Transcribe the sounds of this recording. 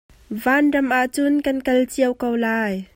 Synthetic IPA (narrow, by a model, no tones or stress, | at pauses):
vaːndɐmʔaʔt͡sʊnkɐnkɐlt͡siəwkɔwlaːj